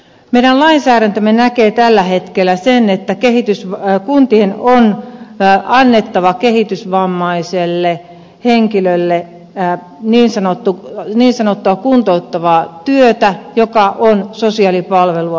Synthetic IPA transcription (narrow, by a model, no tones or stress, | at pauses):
meiɾænlɑinsæːɾænt̪ømːenækeːt̪ælːæhet̪kelːˑæsenet̪ːækehit̪ysʋkunt̪ienon | ɑnːet̪ːɑʋɑkehit̪ysʋɑmːɑiselːe | heŋkilølːe | niːnsɑnot̪ːuniːnsɑnot̪ːuɑkunt̪out̪ːɑʋɑːt̪yøt̪æjokɑʔonsosiɑlipɑlʋeluɑ